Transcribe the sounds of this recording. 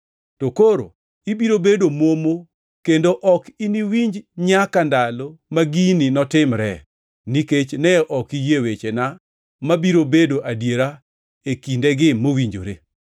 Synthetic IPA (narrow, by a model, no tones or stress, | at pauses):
tokoɾo̰ | ibiɾobedomomo | kendoʔɔkiniwiɲd͡ʒɲakandalomaɡininɔtɪmɾɛ̰ | niket͡ʃnɛɔʔɔkijewet͡ʃena | mabiɾobedoʔadjeɾa | ekindɛɡɪmowiɲd͡ʒo̰ɾe